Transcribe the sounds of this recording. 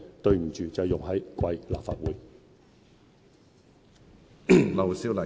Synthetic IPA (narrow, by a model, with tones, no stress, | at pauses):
t̪ɵ˧ɥm̩˨˩t͡ʃyː˨t͡sɐ˨˩wjʊ˨ŋɦɐ˨˥jkwɐ˧jlaː˨pfa̰ː˧t̚wuː˨˥j | lɐ˨wsi˥lɐ˨˩